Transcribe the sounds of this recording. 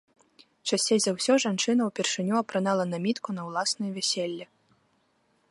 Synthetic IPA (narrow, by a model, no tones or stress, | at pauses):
t͡ʂasʲejzʲawsʲɔʐant͡ʂɨnɐwpʲɛrʂɨnʲuɐpɾɨnalˠɐnamʲit̪kunɐwlˠasnɨjvʲɛsʲelʲːi